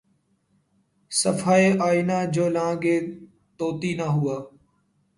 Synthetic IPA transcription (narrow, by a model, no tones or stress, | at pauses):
səfaːeːʔaːinaːd͡ʒoːlãːɡeː | t̪oːt̪iːnaːɦʊaː